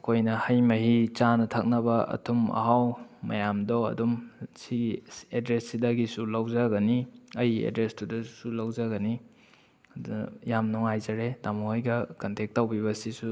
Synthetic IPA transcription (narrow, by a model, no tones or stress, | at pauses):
ɐkʰojnɐhɐjmɐɦit͡ʃanɐtʰak̚nɐbɐɐ̰tʰumɐ̰ɦawmɐ̰jamdɔɐ̰dumsiɡiedɾesːidɐɡisulawzaɡɐniɐjḛdɾestudɐsulawzaɡɐni | djamnɔŋajzɐɾetamaojɡɐkɐntek̚tːawbiβɐsisu